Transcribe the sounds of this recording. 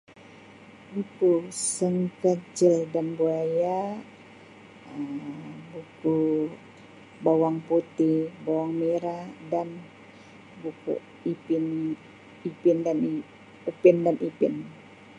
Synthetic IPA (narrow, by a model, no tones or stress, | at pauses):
bukusəŋkəd͡ʒildanbuaja | əbuku | bawaŋput̪ibawaŋmeɾadan | bukṵ | ipɪn | ipɪndani | upɪndanʔipɪn